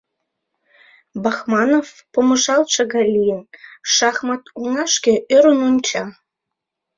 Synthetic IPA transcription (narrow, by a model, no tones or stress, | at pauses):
bɑxmɑnof | pomɤ̆ʒɑlʃɤ̆ɣɑlʲijənʃɑxmɑt̪uŋɑʃkĕʔøɾənunʲt͡ɕɑ